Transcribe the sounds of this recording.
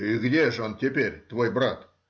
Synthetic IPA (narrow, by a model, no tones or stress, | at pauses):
jɪɡʲɪd̪eʒont̪ʰʲepeɾʲt̪ʰwojbʊɾɑt̪